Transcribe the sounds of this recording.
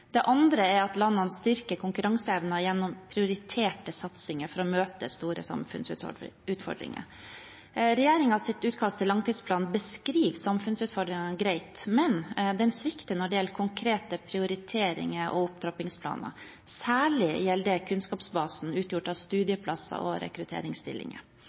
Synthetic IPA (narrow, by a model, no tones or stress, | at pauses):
d̪̥ɛʔɑnd̪ɾəæɾɑt̪lɑnːɑnst̪ʏɾkəkʰʊŋkʉɾɑŋsəɛʋnɑjɛnːʊmpʰɾɪʊɾɪt̪ʰeːʈəsɑt̪sɪŋəɾfɔɾɔmøːt̪ə̰st̪uːɾə̰sɑ̰mfʉ̰nsʉ̰ʉːt̪fɔ̰ɖɾɪ̰ŋə̰ | ɾɛjeːɾɪŋɑʋsɪt̪ʉːt̪kʰɑst̪ʰːɪlɑŋt̪ʰiːd̪spʰlɑːnbəskɾiːʋsɑmfʉnsʉːt̪fɔɖɾɪŋɑɡɾæɪt̪mɛnd̪ɛnsʋɪkt̪ənɔɖɪjɛlkʰʊŋkʰɾeːt̪əpʰɾɪʊɾɪt̪ʰeːɾɪ̰ŋəɾʔɔ̰ʊp̚d̪ɾɑpɪŋspʰlɑ̰ːnə̰ | sæːɭɪjɛld̪əkʰʉnskɑːpsbɑːsn̩ʉːt̪jʊʈːɑʋst̪ʉːd̪ɪəpʰlɑsɑ̰ʔɔɾʔɛ̰kɾʉt̪ʰḛːɾɪŋst̪ɪ̰lːɪ̰ŋə̰